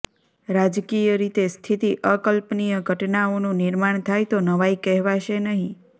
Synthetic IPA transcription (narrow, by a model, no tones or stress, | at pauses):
ɾad͡ʒkijəɾit̪est̪ʰit̪iʔəkəlpnijəɡʱəʈnaonũnɪɾmaɳ̃t̪ʰajt̪onəʋajkɛɦʋaʃenəɦĩ